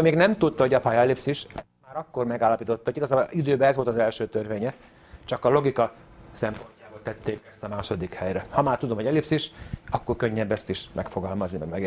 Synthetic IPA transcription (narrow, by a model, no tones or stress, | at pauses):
meːɡnɛmt̪ut̪t̪ːɒho̞ɟɒpɒjɒɛlipsiʃɛ | maːɾɒkːo̞rmɛɡaːlːɒpiːt̪o̞t̪ːɑɦoɟiɡɒzaːboʔid̪øːbɛɛzʋolt̪ɒzɛlʃøːt̪ørveːɲɛ | t͡ʃɒkɒlo̞ɡikɒ | sɛmpo̞ɲcaːbo̞lt̪ɛt̪ːeːkɛst̪ɒmaːʃo̞d̪ikhɛjɾɛhɒmaːrt̪ud̪omho̞ɟɛlipsiʃɒkːo̞rkøɲːɛbːɛst̪iʃmɛkfo̞ɡɒlmɒznimɛ̰ɡmɛɡ